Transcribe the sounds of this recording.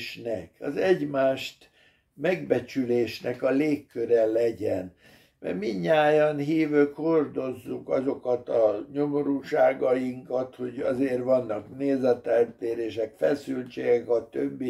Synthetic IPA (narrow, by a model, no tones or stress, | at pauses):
ʃnɛkɒzɛɟmaːʃt̪ | mɛɡbɛt͡ʃyleːʃnɛkɒleːkːøɾɛlɛɟɛn | mɛ̰rmiɲːaːjɒnɦiːvøːkho̞rd̪o̞zːukɒzo̞kɒt̪ɒɲo̞mo̞ɾuːʃaːɡɒjiŋkɒt̪ho̞ɟɒzeːrvɒnːɒkneːzɛt̪ɛlt̪eːɾeːʃɛkfɛsylt͡ʃeːɡɛkɒt̪øbːi